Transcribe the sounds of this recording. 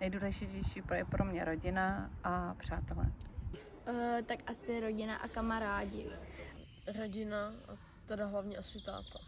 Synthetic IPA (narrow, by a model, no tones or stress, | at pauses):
nɛjduːlɛʒɪcɛjʃiːpɾojɛpɾʔomɲɛɾoɟɪnaʔapr̝̥aːt̪ɛlɛ̰ | t̪akʔasɪɾoɟɪna̰ʔakamaɾaːɟɪ | ɾoɟɪna | t̪ɛdaɦlavɲiʔasɪt̪a̰ːt̪a